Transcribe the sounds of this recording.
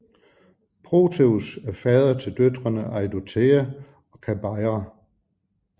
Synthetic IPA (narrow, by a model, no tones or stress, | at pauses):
pʰʁo̝ːt͡sʰeusæɐfɛːð̞ˠɐt͡sʰe̝ld̥ød̥ʁɐnəʔɑ̈ɪdot͡sʰeːæ | ɒ̽kʰæb̥ɑ̈ɪʁa